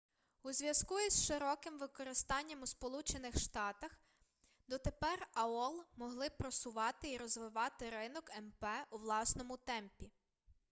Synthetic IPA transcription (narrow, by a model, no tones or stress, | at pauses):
uzʲʋʲjɐzkuisʃɪɾɔkɪmʋɪkɔɾɪst̪ɑnʲːɐmuspɔlˠut͡ʃenɪxʃt̪ɑt̪ɐx | d̪ɔt̪epɛrɐɔlˠmɔɦlˠɪpɾɔsʊʋɑt̪ɪiɾɔzʋɪʋɑt̪ɪɾɪnɔkɛmpɛuʋlˠɑsnɔmʊt̪ɛmpʲi